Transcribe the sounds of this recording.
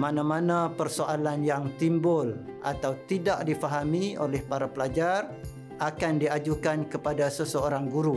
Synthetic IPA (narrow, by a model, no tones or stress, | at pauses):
mãnãmãnãpərsoʔalanjaŋt̪imbʊlʔa̰t̪awt̪idaʔdifaɦamĩo̰lɛhpaɾapəlad͡ʒar | ʔakandiad͡ʒukankəpadasəsəoɾaŋɡuɾu